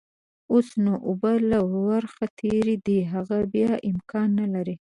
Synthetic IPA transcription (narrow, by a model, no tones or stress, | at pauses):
osnoʔʊbalawwaɾxat̪ʰeɾid̪iɦaɣabjɑʔɪmkʰɑnːalaɾi